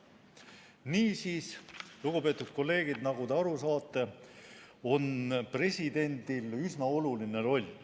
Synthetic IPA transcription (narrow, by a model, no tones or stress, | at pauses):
niːsiːsluɡupe̞ːt̪ˑud̪̥̚ko̞lːe̞ːɡ̥id̪nɑɡut̪eɑɾusɑːt̪ːˑe̞ | o̞npre̞sʲid̪̥e̞nʲd̪̥ilysnɑo̞luline̞ɾo̞lʲ